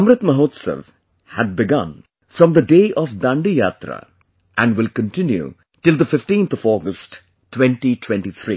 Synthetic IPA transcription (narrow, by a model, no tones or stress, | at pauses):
mɾət̪məɦoːt̪sə̰ʋ | hæɖ̚bɪɡʌ̰̃n | fɾɔ̃md̪əɖeːʔɔʋd̪ãɳɖijat̪ɾə̰ | ʔæ̃nɖʋɪlkə̃nʈɪ̃njṵ | ʈɪld̪əfɪfʈĩːnt̪ʰɔʋɔːɡəsʈ | ʈːwɛ̃nʈiʈʰwɛ̃ɳʈit̪ʰɾḭː